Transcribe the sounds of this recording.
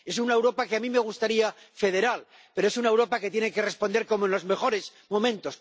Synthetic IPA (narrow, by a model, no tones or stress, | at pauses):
e̞sunaewɾo̞pakeamĩme̞ɣ̞ust̪aɾia | fe̞ð̞e̞ɾal | pe̞ɾoes̬unaewɾo̞pake̞t̪je̞neke̞re̞spo̞nd̪e̞ɾko̞mõnlo̞zme̞xo̞ɾe̞s | mõ̞mẽ̞nt̪o̞s